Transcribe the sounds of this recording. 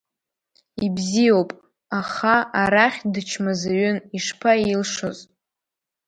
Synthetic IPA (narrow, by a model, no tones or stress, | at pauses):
ibzijo̞wpʼ | aχaaɾaχʲdɨt͡ʃʰmazaɥʏniʂpʰailʂozʼ